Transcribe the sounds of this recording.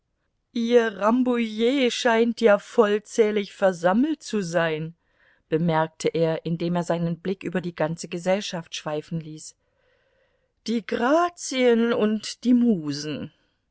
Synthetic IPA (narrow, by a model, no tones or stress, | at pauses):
ʔiːɐʁambujeːʃaɪntjaːfɔlt͡sɛːlɪçfɛɐzaml̩t̚t͡suzaɪn | b̥əmɛɐk̚tʰəʔeːɐʔɪndeːmeːɐzaɪnənblɪkʔyːbɐdiːɡant͡səɡəzɛlʃaftʃv̥aɪfn̩liːs | d̥iːɡʁaːt͡siənʊntd̥iːmuːzn̩